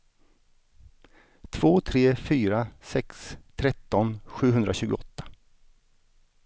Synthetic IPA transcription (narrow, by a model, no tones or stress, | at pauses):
t̪ʰv̥oːt̪ʰɾeːfyːɾasɛkst̪ʰɾɛt̪ːɔnɧʉ̟ːɦɵnd̪ɾaɕʉ̟ːɡʊɔt̪ːḁ